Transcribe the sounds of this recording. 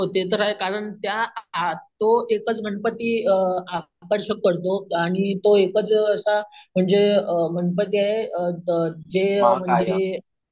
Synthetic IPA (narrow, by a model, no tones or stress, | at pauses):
ɦot̪et̪̬əɾaɦekaɾəɳt̪ja | t̪oekət͡sm̤ənpət̪iːa | kəɾɕəkːəɾt̪oaɽ̃it̪oekət͡səsam̤əɳd͡zeəmənp̬ət̪iaɦeəd͡zem̤əd͡ze